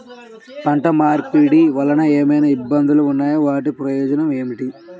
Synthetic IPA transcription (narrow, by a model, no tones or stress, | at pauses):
pɐɳʈɐmaːɾkpiːɽiʋɐlɐnɐeːmɐjnɐibːɐnd̪uluunːaːjoʋaːʈ̬ipɾɐjɔːd͡ʒɐnɐme̞ːmiʈi